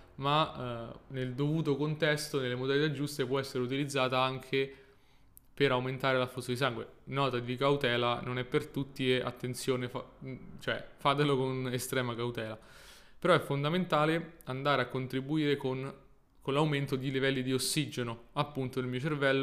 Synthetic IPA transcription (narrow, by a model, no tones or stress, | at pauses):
ma | neld̪ovuːt̪okont̪ɛst̪onelːemod̪alit̪ad͡ʒːust̪epwɔɛsːeɾeut̪̬ilid̪zːaːt̪aaŋkʰe | peɾawment̪aːɾelaflusːod̪is̬aŋɡwenɔːt̪ad̪ikawt̪ɛːlanonɛpːert̪ut̪ːieʔa̰t̪ːent̪sjoːnefat͡ʃoɛ̰fad̪elokonest̪ɾɛːmakawt̪ɛːla | peɾɔɛfːond̪ament̪aːleand̪aːɾeakːont̪ɾibuiːɾekon | konlawment̪od̪ilivɛlːid̪iosːid͡ʒenoapːunt̪onelmiːot͡ʃervɛlːo